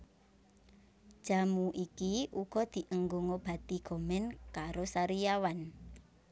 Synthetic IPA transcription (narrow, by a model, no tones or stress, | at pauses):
ʒ̥a̤muʔikiuɡ̥ɔ̤d̪̥i̤ʔəŋɡoŋob̥ä̤t̪iɡ̥ɔ̤mɛnkaɾosaɾijawan